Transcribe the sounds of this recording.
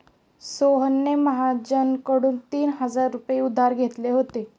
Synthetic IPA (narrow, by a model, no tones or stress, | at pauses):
soɦənːeməɦad͡ʑənkəɽuːnt̪iːnɦəd͡zaɾːupjeud̪ʱaɾɡʱet̪leɦot̪e